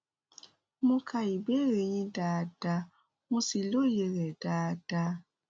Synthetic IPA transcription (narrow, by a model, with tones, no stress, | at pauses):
mõ˧kʰa˨i˨be˦ɾe˨jĩ˦daː˨d̥a˧˦ | mũ˧si˨lo˦je˨˧ɾɛ˨daː˨˦d̥a˧